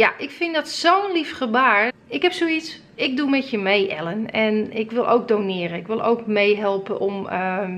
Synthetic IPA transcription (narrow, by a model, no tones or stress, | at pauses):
jaʔɪkfɪndɔtsownlifχəbaːɹɪkɦɛpsoits | ɪk̚dumɛtjəmejʔɛ̰lənɛnɪkʋɪlˠʔo̰wk̚donɪːəɾənɪkʋɪlˠʔo̰wkmejɦɛlˠpəʔɔmə